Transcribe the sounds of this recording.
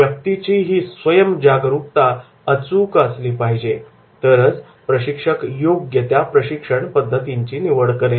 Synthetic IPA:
jək̚t̪it͡ɕiːɦiːsʋəjəmd͡ʑaɡɾuk̚t̪a | ət͡sukəsliːpaɦid͡ʑe | t̪əɾət͡s | pɾəɕikʂəkjoɡjet̪japɾəɕikʂəɳpəd̪ʱːət̪iɲt͡ɕiːniʋəɽkəɾe

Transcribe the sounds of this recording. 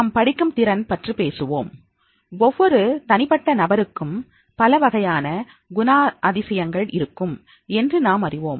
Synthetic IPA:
ɐmpɐɽɪkːɯmt̪ɪɾɐnpɐʈripeːsɯʋo̰ːm | ɔʋːɔɾɯt̪ɐnɪpɐʈːɐnɐbɐɾɯkːɯm | pɐlɐʋɐɣɐjaːnɐ | ɡʊnaːʔɐðɪsɐjɐŋɡɐɭɪ̰ɾɯkːɯm | ɛndrɯnaːmɐrɪʋoːm

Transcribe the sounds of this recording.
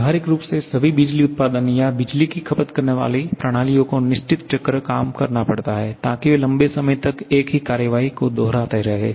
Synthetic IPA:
ɦaɾɪkɾuːpsesɐbʱibid͡ʒliʊt̪̚paːd̪ənjabɪd͡ʒlikikʰɐpət̪kɐɾneʋa̰ːlipɾɐɽ̃aːlijõkonɪʃt͡ʃɪt̪t͡ʃɐkɾəkaːmkɐɾnapɐɽt̪aɦɛːt̪aːkiʋelɐ̃mbesɐməjt̪ɐkeːkɦikaːɾjəʋaːikod̪ɔːɾaːt̪eɦɾɐɦḛː

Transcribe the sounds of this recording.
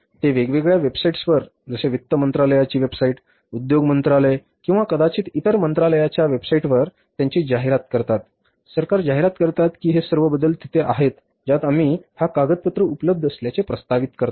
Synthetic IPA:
t̪eʋeɡʋeɡɭjaʋebsaiʈsʋəɾ | d͡zəseʋit̪ːəmənt̪ɾaləjat͡ɕiːʋebsaiʈ | ud̪joɡmənt̪ɾale | kĩw̃ʋakəd̪at͡ɕiːt̪it̪əɾmənt̪ɾaləjat͡ɕjaʋebsaiʈʋəɾ | t̪jaɲt͡ɕiːd͡ʑaɦeɾat̪kəɾt̪at̪ | səɾkaɾd͡ʑaɦeɾat̪kəɾt̪at̪kiːɦesəɾʋəbəd̪əlt̪it̪ʰeʔa̰ɦet̪ | d͡ʑat̪amiːhakaɡət̪̚pət̪ɾəupləb̚d̪ʱəsljat͡sepɾəst̪aʋit̪kəɾt̪

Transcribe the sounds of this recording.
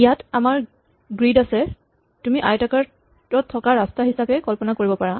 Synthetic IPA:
ijatamaɹ | ɡɹidasɛ | tumiʔajtakaɹ | ɔtʰːɔkaɹastaɦisapɛkɔlpɔnakoɹibɔpaɹa

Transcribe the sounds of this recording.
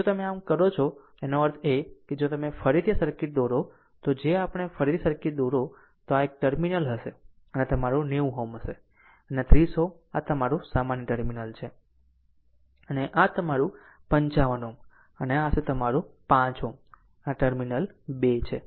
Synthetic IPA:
d͡ʒot̪əmeamkəɾot͡ʃʰo | enoəɾt̪ʰeked͡ʒot̪əmefəɾit̪ʰiasəɾkiʈ̚d̪oɾo | t̪od͡ʒeapəɽ̃efəɾit̪ʰisəɾkiʈ̪̚d̪oɾo | t̪oaek̚ʈəɾminəlɦəʃe | ənet̪əmaɾuneʋ̃ɦomɦəʃe | ənet̪ɾiso | at̪əmaɾũsamanjʈəɾminəlt͡ʃʰe | əneʔat̪əmaɾũ | pəɲt͡ʃaʋənõ | əneaset̪əmaɾupãt͡ʃɦõ | aʈəɾminəlbet͡ʃʰe

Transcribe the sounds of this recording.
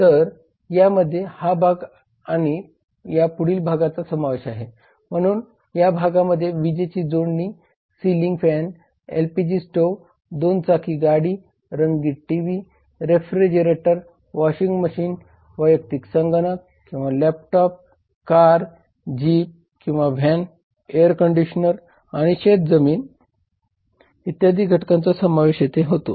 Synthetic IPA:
t̪əɾ | jaməd̪ʱːjehabʱaɡ | aɽ̃i | japuɽiːlbʱaɡat͡sasəmaʋeɕaɦe | m̤əɽ̃uːn | jabʱaɡaməd̪ʱːjeʋid͡ʑet͡ɕiːd͡zoɳːi | siliŋɡfɛn | ḛlpid͡ʑisʈo | d̪ont͡sakʰiːɡaɽiː | ɾəŋɡiʈʈiʋi | ɾefɾid͡ʑəɾeʈəɾ | ʋɔɕiŋɡməɕiːn | ʋəjək̚t̪iksəŋɡənək | kːĩw̃ʋalɛp̚ʈɔp̚ | kaɾ | d͡ʑiːp̚ | kĩw̃ʋabʱɛn | eəɾkəɳɖiɕnəɾ | aɽ̃iɕet̪̚d͡zəmiːn | it̪jad̪ʱiːɡʱəʈkãnt͡sasəmaʋeɕjet̪eɦot̪o̰

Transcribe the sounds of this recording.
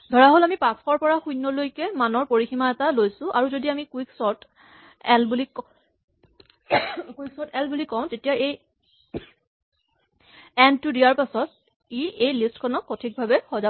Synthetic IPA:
dʱɔɹaɦolamipaskɔɹpɔɹaxujnːɔlojkɛmanɔɹpoɹiximaɛtalojsʊ̃ʔaɹuzodiamikwiksɔɹt | ɛlbulik | kuiksɔtɛlbulikɔʊ̃tetijaej | ɛntudiaɹpasɔt̚ | iejlistkʰɔnɔkːɔtʰik̚bʱabɛxɔza

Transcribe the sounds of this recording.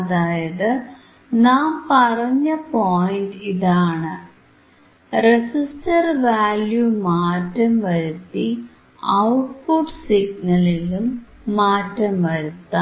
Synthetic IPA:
ɐðaːjɐðɨ | naːmpɐrɐɲːɐpoːjiɳɖiðaːɳɨ | resisʈɐrʋaːljumaːtːɐmʋɐɾut̪ːi | ɐwʈpuɖsiɡnɐlilumː | aːtːɐmʋɐɾut̪ːɐ

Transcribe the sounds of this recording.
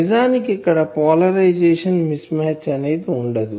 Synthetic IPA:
id͡ʒaːnikikːɐɽɐpɔːlɐɾɐjd͡ʒɛːʂɐnmismɛːt͡ʃːɐneːd̪iuɳɖɐd̪u

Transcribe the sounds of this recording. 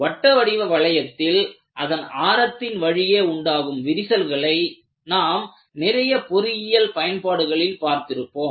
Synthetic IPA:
ʋɐʈːɐʋɐɽɪʋɐʋɐɭɐjɐt̪ːɪl | ʔɐðɐnaːɾɐt̪ːɪnʋɐɻɪjeːʊɳɖaːɣɯmʋɪɾɪsɐlɣɐɭɐɪ | naːm | nɪɾɐjɐpɔɾɪjɪjɐlpɐjɐnpaːɽɯɣɐɭɪlpaːɾt̪ɪɾɯpːoːm

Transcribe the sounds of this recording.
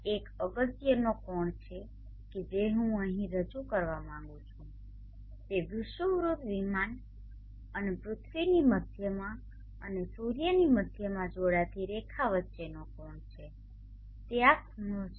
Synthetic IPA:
ekəɡət̪jənokɔɳt͡ʃʰe | ked͡ʒeɦũəɦĩɾəd͡ʒukəɾʋamãŋ̆ɡũt͡ʃʰũ | t̪eʋɪʃʋəʋɾud̪ʱʋiman | ənepɾʊt̪ʰʋiniməd̪ʱjəmã | ənesuɾjəniməd̪ʱjəmãd͡ʒoɽat̪ʰiɾekʰaʋətːʃenokɔɳt͡ʃʰe | t̪eakuɳot͡ʃʰ

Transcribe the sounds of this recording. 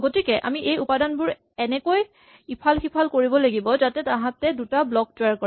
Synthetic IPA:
ɡotikɛʔa̰miʔejupadanbʊɹ | ɛnɛkoj | ipʰalxipʰalkoɹibɔlaɡibɔzatɛtãɦãtɛdutablɔk̚tʊjaɹkɔa

